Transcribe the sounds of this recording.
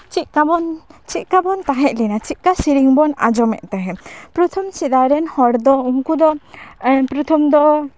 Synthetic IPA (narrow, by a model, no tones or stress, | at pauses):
t͡ʃit̪̚kabɔnt͡ʃit̪̚kabɔnt̪aɦɛʔ̚ˀlinat͡ʃit̪̚kasiɾiŋbɔna̰d͡ʒɔmɛ̰ʔt̪ɛɦɛ̃pɾɔt̪ʰɔmsid̪aɾɛnhɔɽd̪ɔuŋkud̪ɔ | pɾɔt̪ʰɔmd̪ɔ